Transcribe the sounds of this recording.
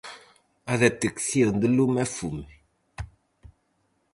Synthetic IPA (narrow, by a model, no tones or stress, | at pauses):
aðɛtiksiən̩dəlumɛfumi